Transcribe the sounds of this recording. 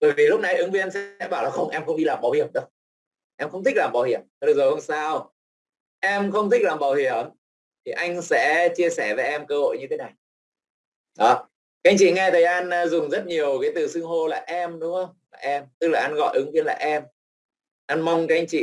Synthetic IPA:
ɓəː˧˩jvi˨˩lʊ˦˥k͡p̚na˨˧jʔɨ˨˦ŋvi˧ənsɛ̰˧˥ɓaː˧˩wlaː˨˩xə˧wŋ͡mʔɛ˧mxə˧wŋ͡mɗi˧laː˨˩mɓaː˨˩whi˧˩əmɗə˧˦w | ʔɛ˧mxə˧wŋ͡mt̪ʰi˦˥k̚laː˨˩mɓaː˨˩whḭ˧˩əm˧˩ɗɨ˨˩zo˨˩jho˧˦ŋ͡msaː˧w | ʔɛ˧mxə˧wŋ͡mt̪ʰi˦˥k̚laː˨˩mɓaː˨˩whi˧˩əm | t̪ʰi˨˩ʔa˧jŋ̟sɛ̰˧˥t͡ɕi˧əsɛ˧˩ve˨˩ʔɛ˧mkəː˧ho̰˧˨jɲɨ˧t̪ʰe˨˦na˨˩j | ɗɔ˨˦ | ka˧˦˥ʔŋ̟t͡ɕḭ˧˨ŋɛ˧t̪ʰəː˨˩jʔaː˧n˧zʊ˨˩ŋ͡mzə˦˥t̚ɲi˨˩əwkaː˨˦jt̪ɨ˨˩sɨ˧ŋɦo˧laː˨˩ʔɛ˧mɗʊ˧˦ŋ͡mxə˧wŋ͡mlaː˨˩ʔɛ˧mt̪ɨ˦˥k̚laː˨˩ʔa˧nɣɔ̰˧˨jʔɨ˨˦ŋvi˧ənlaː˨˩ʔɛ˧m | ʔa˧nma˧wŋ͡mka˧˦ʔjŋ̟t͡ɕḭ˧˨

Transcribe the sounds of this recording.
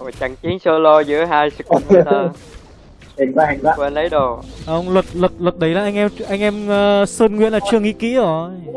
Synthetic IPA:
o˨˩t͡ɕa˧˨˩ŋt͡ɕi˨˦ŋso˧lo˧zɨ̰˧˥əɦaː˧jsɨ˨˩k̚n˧ə˧ | i˨˩ŋa˧˨˩ŋa̰˧˨kwe˧nlə˨˦jɗo˨˩ʔə˧wŋ͡mlə˨˩k̚lə˨˩k̚lɨ˨˩k̚ɗə˨˩˦jlaː˨˩ʔa˧jŋ̟ʔɛ˧mʔa˧jŋ̟ʔɛ˧mː˨˧səː˧nŋwḭ˧˨ənlaː˨˩t͡ɕɨ˧əŋḭ˧˥kḭ˧˥˦o˨˩˧j

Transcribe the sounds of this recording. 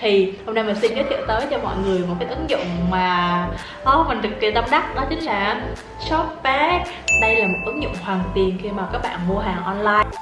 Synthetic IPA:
t̪ʰi˨˩ho˧wŋ͡mnaː˧mə˨˩si˧nkaː˨˦t̪ʰḭ˧˨t̪əː˨˦jt͡ɕɔ˧mɔ̰˧˨jŋɨ˨˩əjmo˨˩t̚kaː˨˦jʔɨ˨˦ŋzʊ̰˧˨ŋ͡mmaː˨˩ | ʔɔ˨˧˦ma˨˩nt̪ɨ˨˩k̚ːi˨˩t̪a˧mɗa˦˥k̚nɔ˨˦t͡ɕï˨˦ŋ̟laː˧˩˦ | sɔ˦˥p̚pɛ˦˥k̚ | ɗə˧jlaː˨˩mo˨˩t̚ʔɨ˨˦ŋzʊ̰˧˨ŋ͡mhwaː˨˩nt̪i˨˩ənxi˧maː˨˩kaː˦˥k̚ɓa̰ː˧˨nvo˧ɦaː˨˩ŋʔɔ˧nlaː˧j

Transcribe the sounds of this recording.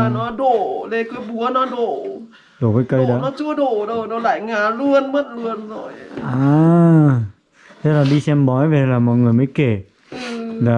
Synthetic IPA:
a˨˩nɔ˨˦ɗo˧˩˨le˧˩kɨ˧˦ɓu˨˦ənɔ˨˦ɗo˧˩˨ | ɗo˧˩kəː˨˦jkə˧˨jɗə˨˦nɔ˨˦t͡ɕu˧˦əɗo˧˩ɗo˨˩ɗo˨˦la̰ː˧˨jŋaː˨˩lu˧ənmə˦˥t̚lu˧ənzo̰˧˨jʔaː˨˩ | t̪ʰa˦laː˨˩ɗi˧sɛ˧mɓɔ˨˦jve˨˩˨laː˨˩mɔ̰˧˨ŋɨ˨˩əjmə˨˦jke˧˩ | la˨˩

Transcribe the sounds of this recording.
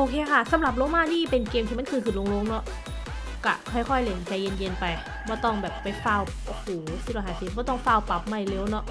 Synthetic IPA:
ʔoː˧kʰeː˧kʰa˥˩sa˨˦mɾa˨˩p̚lo˧˥maː˧˥˩niː˧˥˩pe˧nkeː˧mt̪ʰiː˧m˧˥nkʰɯː˧˩kʰɯː˨˩lo˧ŋlo˧˥˨ŋnɔ˦˥ʔ | ka˧˩kʰɔ˥˩jkʰɔ˧˩jle˧˩n˨˩t͡ɕa˧˩je˧nje˧npa˧j | bɔː˧˩t̪ɔ˥˩ŋbɛː˨˩pːa˧jfaː˧˩˨w | puː˨˦siː˧˩lɔː˧˩ɦaː˨˦siː˨˦bɔː˧˩t̪ɔ˥˩ŋfaː˧˩˨wpa˨˩p̚ma˧˩jleː˧˥˩wnɔ˦˥ʔ

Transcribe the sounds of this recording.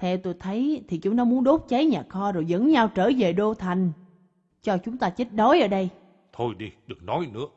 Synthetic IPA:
t̪ʰɛ˧wt̪o˧jt̪ʰə˨˦jt̪ʰi˨˩t͡ɕʊ˨˦ŋ͡mnɔ˨˦mu˨˦ənɗo˦˥t̚t͡ɕə˨˦jɲaː˨˩xɔ˧zo˨˩jzə̰˧˥nɲa˧wt͡ɕəː˧˩ve˨˩ɗo˧t̪ʰa˨˩jŋ̟ | t͡ɕɔ˧t͡ɕʊ˨˦ŋ͡mt̪aː˧t͡ɕi˦˥t̚ɗo˨˦jʔəː˧˩˦ɗə˧j | t̪ʰo˧jɗi˧ɗɨ˨˩ək̚nɔ˨˦jnɨ̰˧˥ə

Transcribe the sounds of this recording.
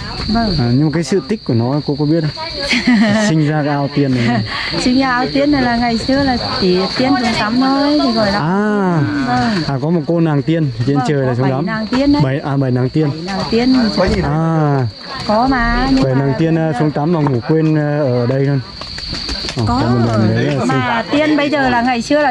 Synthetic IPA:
və˧˩ŋaː˨˩ɲɨ˧maː˨kaː˨˦jsɨ̰˧˨t̪i˦˥k̚ku˧˩nɔ˨˦˨ko̰˧˥kɔ˨˦ɓi˦˥ət̚a˧˨ | sï˧ŋ̟zaː˧kaː˨˦ʔaː˧wt̪i˧ənːa˨˩˨ | sï˧ŋaː˧ʔaː˧wt̪i˧ənːa˨˩laː˨˩ŋa˨˩jsɨ˧əlaː˨˩t͡ɕi˧˩˧t̪i˧ənsə˨˧˦ŋt̪a˨˦mnə˧˩jt̪ʰi˨˩zɔ˨˩jn˨˦aː˨˩əː˧˩ʔaː˨˩kɔ˨˦mo˨˩t̚ko˧naː˨˩ŋt̪i˧ən˨˩t͡ɕi˧ənt͡ɕəː˨˩jlaː˨˩sə˧˦ŋ͡mt̪a˨˦maː˨˩ŋt̪i˧ən˧˦ɓʔaː˨˩ɓə˨˩jnaː˨˦ŋt̪i˧ənnaː˨˩wt̪i˧ən˧˨˩aː˨˩ | kɔ˨˦maː˨˦˩ɲɨ˧ɓə˨˩jnaː˨˩ŋt̪i˧ənː˧sə˨˧˦ŋ͡mt̪a˨˦mvaː˨˩ŋo˨˩kwe˧n˧ʔəː˧˩ʔəː˧˩ɗə˧jto˧j | ʔɔː˨˩˨ɔ˨˦mo˨˩laː˨˩mɗə˨˦jːə˧ŋː˨˩˨t̪i˧ənɓə˧jzəː˨˩laː˨˩ŋa˨˩jsɨ˧əlaː˨

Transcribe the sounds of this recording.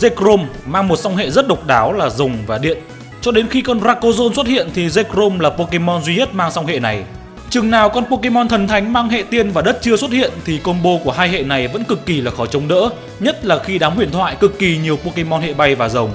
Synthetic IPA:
ze˧kɾo˧mmaː˧ŋmo˨˩t̚sa˧wŋ͡mɦḛ˧˨zə˦˥t̚ɗə˨˩wk͡p̚ɗaː˨˦wlaː˨˩zʊ˨˩ŋ͡mvaː˨˩ɗḭ˧˨ən | t͡ɕɔ˧ɗe˨˦nxi˧kɔ˧nzaː˧ko˧zo˧nswə˦˥t̚hḭ˧˨ənt̪ʰi˨˩ze˧kɾo˧mlaː˨˩po˧ke˧mɔ˧nzwi˧ɲə˦˥t̚maː˧ŋsa˧wŋ͡mɦḛ˧˨na˨˩j | t͡ɕɨ˨˩ŋnaː˨˩wkɔ˧npo˧ke˧mɔ˧nt̪ʰə˨˩nt̪ʰa˨˦jŋ̟maː˧ŋɦḛ˧˨t̪i˧ənvaː˨˩ɗə˦˥t̚t͡ɕɨ˧əswə˦˥t̚hḭ˧˨ənt̪ʰi˨˩ko˧nɓo˧ku˧˩əɦaː˧jhḛ˧˨na˨˩jvə̰˧˥nkɨ˨˩kːi˨˩laː˨˩xɔ˧˩t͡ɕə˨˦wŋ͡mɗə̰ː˧˥ | ɲə˦˥t̚laː˨˩xi˧ɗaː˨˦mhwi˧˩ənt̪ʰwa̰ː˧˨jkɨ˨˩kːi˨˩ɲi˨˩əwpo˧ke˧mɔ˧nhḛ˧˨ɓa˧jvaː˨˩zə˨˩wŋ͡m

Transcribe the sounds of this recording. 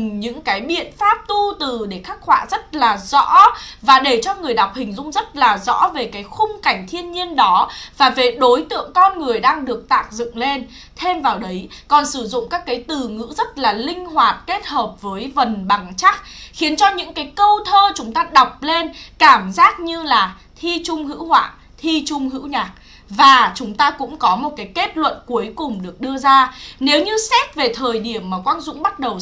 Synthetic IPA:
ɲɨ̰˧˥ŋkaː˨˦jɓḭ˧˨ənfaː˦˥p̚t̪u˧t̪ɨ˨˩ɗe˧˩xa˦˥k̚hwa̰ː˧˨zə˦˥t̚laː˨˩zɔ̰˧˥vaː˨˩ɗe˧˩t͡ɕɔ˧ŋɨ˨˩əjɗa˨˩wk͡p̚hï˨˩ŋ̟zʊ̰˧ŋ͡mzə˦˥t̚laː˨˩zɔ̰˧˥ve˨˩kaː˨˦jxʊ˧ŋ͡mka˧˩jŋ̟t̪ʰi˧ənɲi˧ənɗɔ˨˦vaː˨˩ve˨˩ɗo˨˦jt̪ɨ̰˧˨əŋkɔ˧nŋɨ˨˩əjɗaː˧ŋɗɨ˨˩ək̚t̪a̰ː˦˥k̚zɨ̰˧˨ŋle˧n | t̪ʰe˧mvaː˨˩wɗə˨˦jkɔ˨˩nsɨ˧˩zʊ̰˧˨ŋ͡mkaː˦˥kːaː˨˦jt̪ɨ˨˩ŋɨ̰˧˥zə˦˥t̚laː˨˩lï˧ŋ̟ɦwaː˨˩t̚ke˦˥t̚həː˨˩p̚vəː˨˦jvə˨˩nɓa˨˩ŋt͡ɕa˦˥k̚xi˨˦ənt͡ɕɔ˧ɲɨ̰˧˥ŋkaː˨˦jkə˧wt̪ʰəː˧t͡ɕʊ˨˦ŋ͡mt̪aː˧ɗa˨˩wk͡p̚le˧nkaː˧˩mzaː˦˥t̚ɲɨ˧laː˨˩ | t̪ʰi˧t͡ɕʊ˧ŋ͡mɦɨ̰˧˥whwa̰ː˧˨ | t̪ʰi˧t͡ɕʊ˧ŋ͡mɦɨ̰˧˥wɲaː˨˩k̚ | vaː˨˩t͡ɕʊ˨˦ŋ͡mt̪aː˧kʊ̰˧˥ŋ͡mkɔ˨˦mo˨˩t̚kaː˨˦jke˦˥t̚lwə̰˧˨nku˨˦əjkʊ˨˩ŋ͡mɗɨ˨˩ək̚ɗɨ˧əzaː˧ne˨˦wɲɨ˧sɛ˦˥t̚ve˨˩t̪ʰəː˨˩jɗi˧˩əmːaː˨˩kwa˧nzʊ̰˧˥ŋ͡mɓa˦˥t̚ɗə˨˩w

